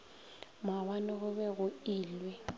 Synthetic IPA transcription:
mawanɪɣʊβɛɣʊiːlwɛ

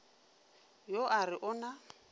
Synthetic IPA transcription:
joʔarɪʔʊna

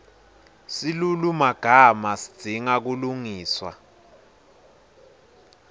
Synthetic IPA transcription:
silulumaɡ̥ʱamasi̥d̥ʱiŋak̬uluŋiːswa̰

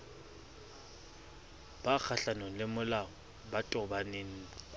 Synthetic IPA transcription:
b̥ak͡xʰaɬanɔŋ̩lɪmʊlaɔ | batʼɔbaneːn̩

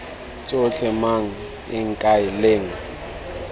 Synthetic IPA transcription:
t͡sʼoɬɛmaŋ̩ | ɪŋ̩kʼaɪleːŋ̩

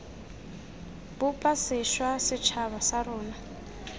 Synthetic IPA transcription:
bʊpʼasɪʃwasɪt͡ʃʰaβasaɾʊːna

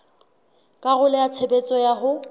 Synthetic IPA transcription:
kʼaɣʊlɛat͡sʰebet͡sʼɔjaɦʊ

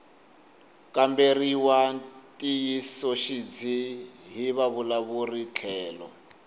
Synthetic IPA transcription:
kamberiwatʼijisɔʃid͡ziɦiβaβulaβurit͡ɬʰɛːlɔ̰

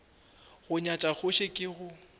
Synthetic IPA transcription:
ɣʊɲat͡ʃʼak͡xʰʊʃekʼɪɣʊ

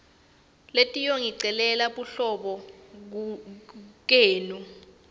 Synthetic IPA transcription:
letʼijoŋiǀɛlɛlaɓuɬɔɓɔ | k̬eːnu

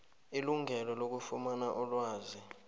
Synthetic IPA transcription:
iluŋʱɛlɔlok̬ufumanaʔɔlwaːzi

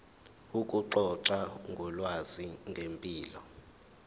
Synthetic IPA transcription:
ukʼuǃɔǀaŋɡʱɔlwaziŋɡʱempʼiːlɔ

